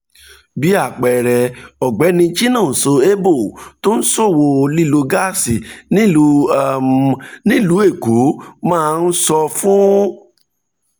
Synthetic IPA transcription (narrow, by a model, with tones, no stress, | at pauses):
bi˨˦a˦˨k͡pɛ˨ɾɛ˨ɔ˨ɡ͡bɛ˨˦nĩ˧˦t͡ʃi˦nã˦˨n̩˨so˧e˦bo˦˨to˦n̩˦so˦˨wo˧li˦˨lo˧ɡa˦˨si˨nĩ˦˧ | nĩ˦lu˨˦e˦˨ko˨˦mãː˦˧n̩˦sɔ˧fũ˦